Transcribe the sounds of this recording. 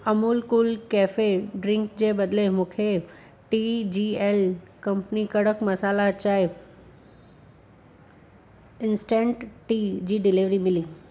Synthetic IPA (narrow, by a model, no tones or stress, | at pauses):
əmuːlkulkeːfeɖɾɪ̃ŋkd͡ʑebəd̪lemũkʰe | ʈid͡ʑielkə̃mpnikəɽəkmɐsaːlat͡ɕaːe | ɪnsʈẽɳʈʈid͡ʑiːɖɪliʋɾimɪliː